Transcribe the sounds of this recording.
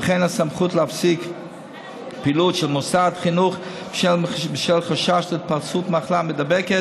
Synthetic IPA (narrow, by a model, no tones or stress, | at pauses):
əχeɪnasamχutləafsik | pilutʃɛlˠmʊsadχinuχ | ʃɛbɪʃɛlˠχaʃaʃlɛt̚paʁt͡sutmaχlˠamɪdabɛkɛ